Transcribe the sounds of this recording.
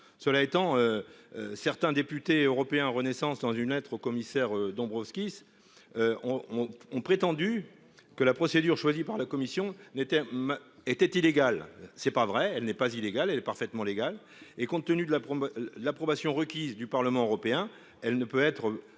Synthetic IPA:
səlaet̪ɑ̃øøsɛʁt̪ɛ̃d̪epyt̪eøʁɔpeɛ̃ʁənesɑ̃sd̪ɑ̃zynlɛt̪χokɔmisɛʁød̪ɔ̃bʁɔfskʲis | øɔ̃ɔ̃pχet̪ɑ̃d̪y | kəlapχɔsed̪yʁʃwazipaʁlakɔmisjɔ̃net̪ɛmet̪ɛt̪ileɡalsɛpavʁɛɛlnɛpazileɡalɛlɛpaʁfɛt̪mɑ̃leɡal | ekɔ̃t̪ːənyd̪əlapd̪əlapχɔbasjɔ̃ʁəkʲizd̪ypaʁləmɑ̃øʁɔpeɛ̃ | ɛlnəpøɛt̪χə

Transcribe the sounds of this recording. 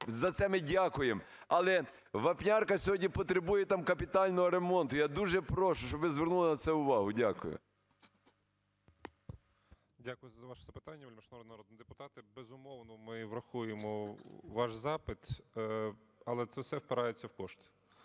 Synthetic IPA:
zɐt̪sɛmɪdʲakʊjem | ɐlˠɛ | ʋɐpnʲarkɐsʲɔɦɔdʲnʲipɔt̪ɾebujɛt̪ɑmkɐpʲɪt̪ɑlʲnɔɦɔɾemɔnt̪ʊjad̪uʒɛpɾɔʃʊʃt͡ʃɔbɪzʋʲernulˠɐnɐt̪sɛʊʋɑɦʊdʲakʊ̰jʊ̰ | dʲakʊjʊzɐʋɑʃɛ̥zɐpɪ̥t̪ɑnʲːɐʋʲɪlʲmɪʃnɐɾɔd̪nɐɾɔd̪nid̪ɪpʊ̥t̪ɑt̪ɪbezʊmɔwnɔmɪʋɾɐxujemɔʋɑʃzɑpɪt̪ | ɐlˠɛt̪sɛwsɛwpɪɾɑjet͡sʲːɐwkɔʃt̪

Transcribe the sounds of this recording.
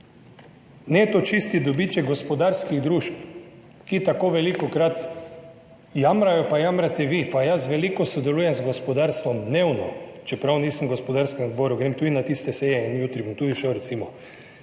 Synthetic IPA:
nɛt̪ot͡ʃist̪id̪obit͡ʃɛɡɡospɔd̪aɾskiɣd̪ɾuʃp | kit̪akoʋɛlikokɾat̪ | jamɾajɔpajamɾat̪ɛʋipajasʋɛlikɔsɔd̪ɛluːjɛmzɡospod̪aɾst̪ʋɔmd̪newnɔ̰t͡ʃɛpɾawniːsəmɡospɔd̪aɾskɛmɔd̪boɾuɡɾeːmt̪uːd̪inat̪ist̪ɛsejɛinjuːt̪ɾibomt̪uːd̪iʃɛwɾɛt̪simɔ

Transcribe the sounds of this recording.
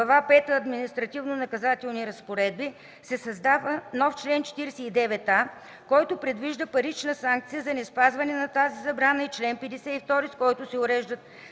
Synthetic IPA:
ɐvapɛt̪əːd̪minist̪ɾɐt̪ivnonɐkɐzat̪ɛlˠniɾɐspoɾɛd̪̚bi | sɛsɐzd̪avənɔft͡ʃlɛnt͡ʃɛ̥t̪iɾɛsɛid̪ɛvɛt̪a | kɔjt̪ʊpɾɛd̪viʒd̪əpɐɾit͡ʃnəsaŋk̚t̪sijəzɐnɛspazvɐnɛnɐt̪azizɐbɾanəit͡ʃlɛnpɛd̪ɛsɛift̪ɔɾiskɔjt̪ʊsɛʊɾɛʒd̪ət̪̚

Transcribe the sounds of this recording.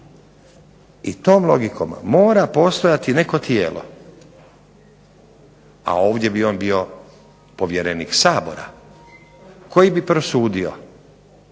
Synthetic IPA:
it̪o̞ːmlˠo̞ɡikʰo̞̰mːoːɾapo̞ːst̪o̞jat̪ine̞ko̞t̪jeːlʔo̞̰ | a̰o̞ːʋd̪je̞bio̞ːnbio̞ | po̞ʋjeɾeniksaːbo̞̰ɾa̰ | ko̞jibipɾosuːd̪io̰

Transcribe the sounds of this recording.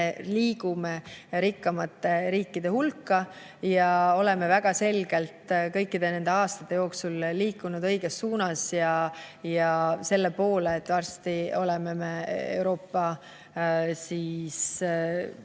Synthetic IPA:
eliːɡ̥umeɾikːɑmɑt̪ːˑe̞ɾiːkːid̪̥e̞hulkːɑ | jɑo̞le̞me̞væɡ̥ɑse̞lɡ̥e̞lt̪kɤjkːid̪̥e̞ne̞nd̪̥e̞ɑːst̪ɑt̪ːˑe̞jo̞ːksulːiːkˑːunud̪ɤ̞jɡ̥e̞sːuːnɑsjɑjɑse̞lːe̞po̞ːleːt̪ːˑvɑrst̪io̞leme̞meewɾo̞ːpːɑ | siːs

